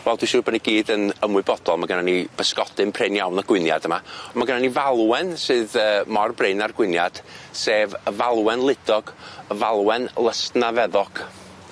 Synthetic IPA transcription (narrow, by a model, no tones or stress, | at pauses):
vɛlˠd̥wiʃʊːbəniɡiːdənəmwɨbɔd̥ɔlˠmaɡənanib̥əskɔd̥ɨnpʰrenjawnɔɡ̥wɪnja̰d̥əmaɔmaɡənanivalˠwɛnsɨːðəːmɔrbreɨnarɡwɪnjad̥seːvəvalˠwɛnlˠɪd̥ɔɡ̥əvalˠwɛnlˠəstnavɛðɔɡ̥